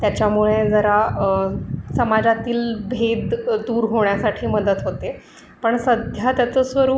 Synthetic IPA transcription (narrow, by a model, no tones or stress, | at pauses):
t̪jat͡ɕjamuɭed͡zəɾa | səmad͡zat̪iːlbʱed̪d̪uːɾɦoɳjasaʈʰiːməd̪ət̪ɦot̪e | pəɳsəd̪ʱjat̪jat͡səsʋəɾuː